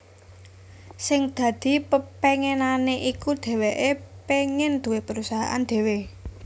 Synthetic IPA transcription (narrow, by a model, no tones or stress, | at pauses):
sɪŋd̪̥ä̤d̪̥i̤pəpeŋenaneʔikud̪̥ɛ̤weʔepeŋɪnd̪̥ṳwepəɾusaɦa̰ʔa̰nd̪̥e̤we